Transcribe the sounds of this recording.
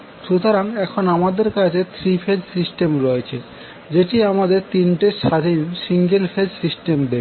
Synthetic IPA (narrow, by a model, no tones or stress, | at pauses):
ʃut̪oɾanɛkʰonamad̪eɾkat͡ɕʰet̪ʰɾifʰed͡ʑsisʈemɾɔet͡ɕʰe | d͡ʑeʈiamad̪eɾt̪inʈeʃad̪ʱinsiŋɡelfʰed͡ʑsisʈemd̪ee